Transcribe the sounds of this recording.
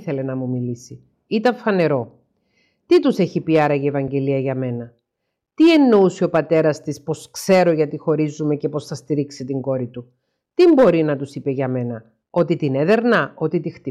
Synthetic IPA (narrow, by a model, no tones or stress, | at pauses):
θe̞le̞nɐmumilisi | it̪ɐɱfɐne̞ɾo̞ | t̪it̪use̞çipiɐɾɐʝievɐɲɟe̞liɐʝɐme̞nɐ | t̪ie̞nːo̞usio̞pɐt̪e̞ɾɐst̪ispo̞skse̞ɾo̞ʝɐt̪ixo̞ɾizume̞ce̞po̞sθɐst̪iɾiksit̪iŋɡo̞ɾit̪u | t̪imbo̞ɾinɐt̪usipe̞ʝɐme̞nɐ | o̞t̪it̪ineðe̞ɾnɐo̞t̪it̪ixt̪i